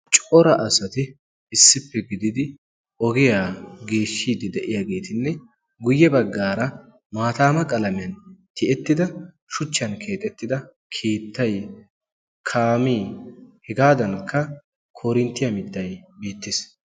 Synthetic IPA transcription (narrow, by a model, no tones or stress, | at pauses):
t͡ʃʼɔɾɐʔɐsɐt̪ɪ | ɪsːɪpːɛɡɪd̪ɪd̪ɪ | ɔɡɛjaːɡe̞ːʃːiːd̪ɪd̪ɛʔɪjaːɡe̞ːt̪ɪnːɛ | ɡʊjːɛbɐɡːaːɾɐ | maːt̪aːmɐkʼɐlɐmɪjɐnt̪ɪʔɛt̪ːɪd̪ɐ | ʃʊt͡ʃːɐnkʰe̞ːt̪ʼɛt̪ːɪd̪ɐ | kʰe̞ːt̪ːɐj | kʰaːmiːhɛɡaːd̪ɐnkʰːɐ | kʰoːɾɪnt̪ːɪjɐmɪd̪ːɐjbeːt̪ːɪs